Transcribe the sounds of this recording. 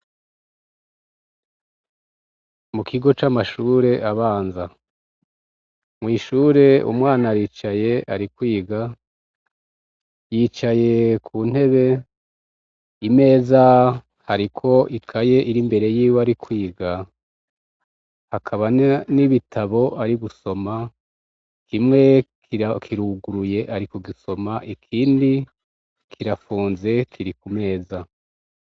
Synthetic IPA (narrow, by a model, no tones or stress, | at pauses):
mukʰiɡo̞t͡ʃamaʃuːɾe̞ʔaβaːnza | mŋiːʃuːɾe̞ṵmŋaːnaɾit͡ʃaje̞aɾikwiːɡa | jiːt͡ʃaje̞kʰuːn̥he̞βe̞ | ime̞ːza | haɾikʰo̞ʔikʰaje̞ʔiɾimbe̞ɾe̞jiːwaɾikwiːɡa | hakʰaβaniβitʰaβo̞ʔaɾiɡuso̞ma | kʰimŋe̞kikʰiɾuɡuɾuje̞ʔaɾikoɡiso̞maʔikʰiːndi | kʰiɾafuːnze̞kʰiɾikume̞ːza